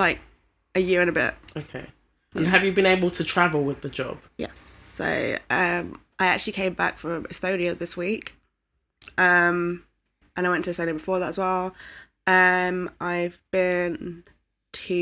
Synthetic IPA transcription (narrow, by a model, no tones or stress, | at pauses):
laɪk̚ | ɨjɪəɹɨ̃nəbɪ̰t̚oʊkʰeɪ | ə̃nəvjəbɨ̃neɪbəlˠtʰətʰɹ̥avəl̩ˠwɪðəd͡ʒɒ̰b̥jɛ̰sːo̰ʊʌ̃m | ʔaɪa̰k̚t͡ʃʉl̩ˠikʰẽɪ̃mba̰kfɹə̃mɪstoʊɾiəʊðɪswiˑk | ʔʌ̃m | ʔə̃naɪwɛ̃ntʰəðɨstoʊɾiəbɪfɔːðatəzwɛlˠ | ʌ̃mʔaɪvb̥ɪ̃n | tʰʉ